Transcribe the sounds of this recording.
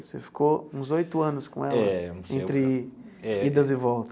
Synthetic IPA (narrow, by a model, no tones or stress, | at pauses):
sefi̥kʰoũzojt̪ʊɐ̃nʊskõ̰ɛlɐɛ̃ẽnt̪ɾɪɛid̪ɐzɪvɔwt̪ɐ